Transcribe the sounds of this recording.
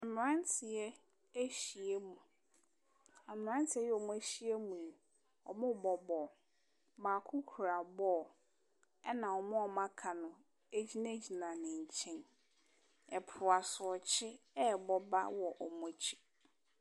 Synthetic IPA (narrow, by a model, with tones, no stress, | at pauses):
a˨m̃˨ɾã˦ntʰɪ˨ɛ˦ | e˦ɕi˨e˦mũ˨ | a˨m˨ɾã˦ntʰɪ˨ɛ˦jɛ˦ɔ˨m̃˦æ˦ɕi˦e˦mũ˨ | ɔ̰˨mʊ̃˦˨bɔ˨bɔ˨ | maː˨kʰʊ˦kʰu˨ɾa˨bɔː˦˨ | ɛ˦nã˨ɔ˨mʊ̃˦ɔ˨mã˦kʰa˨nʊ̃˨ | e˦d͡ʑi˦na˦d͡ʑi˨nã˨nɪ̃˨ɲ̩˨t͡ɕʰɛ̃˦n | ɛ˨pʰʊ˨a˨sʊ˨ɔ˨t͡ɕʰɪ˦ | ɛ˦˨bɔ˦ba̰˦wɔ˨ʔɔ˨mʊ̃˦t͡ɕʰi̥˦